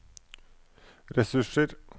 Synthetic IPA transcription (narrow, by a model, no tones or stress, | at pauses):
ɾɛsʉʂəɾ